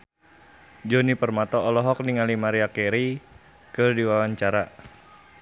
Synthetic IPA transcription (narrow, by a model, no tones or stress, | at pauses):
d͡ʒɔnipərmat̪ɔːlɔɦɔk̚niŋalimaɾiakɛɾi | kɨrdiwawaɲt͡ʃaɾa